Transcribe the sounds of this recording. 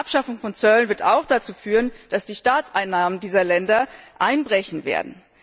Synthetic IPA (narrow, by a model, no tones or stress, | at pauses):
apʃafʊŋfɔnt͡sœlənvɪɐtaʊxd̥at͡suːfyːʁənd̥asd̥iːʃtaːt͡sʔaɪnːaːməndiːzɐlɛndɐʔaɪnbʁɛçn̩vḛːɐdn̩